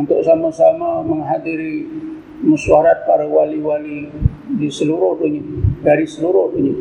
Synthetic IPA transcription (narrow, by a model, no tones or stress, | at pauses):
unt̪ʊʔsamasamaməŋɦadiɾi | musuaɾat̪̚paɾawaliwali | disəluɾʊht̪uɲiɡaɾisəluɾʊht̪uɲi